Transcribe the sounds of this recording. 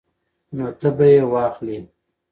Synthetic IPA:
not̪əbajewɑxli

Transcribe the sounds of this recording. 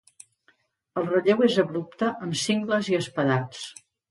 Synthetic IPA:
əlˠrəʎewezəβɾup̚t̪əʔəmsiŋɡləziəspəðat͡s

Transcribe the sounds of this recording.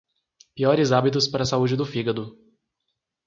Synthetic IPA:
piɔɾɪzabit̪ʊspaɾɐsaud͡ʒɪd̪ʊfiɡɐd̪ʊ

